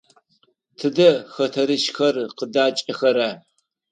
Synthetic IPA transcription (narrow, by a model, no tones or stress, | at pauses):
tʰɨdɐxɐtʰɐɾɨʃxɐrqədaːt͡ʃʼɐxɐɾaː